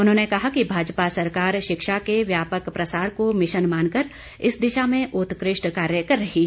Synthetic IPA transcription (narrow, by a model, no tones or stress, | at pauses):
ʊnɦõːnekɐɦakibʱaːd͡ʒpasɐɾkaːɾʃɪkʃakeʋjaːpəkpɾɐsaːɾkomɪʃənmaːnkɐɾ | ɪsd̪ɪʃamẽʔʊt̪kɾɪʃʈkaːɾjəkɐɾːɐɦi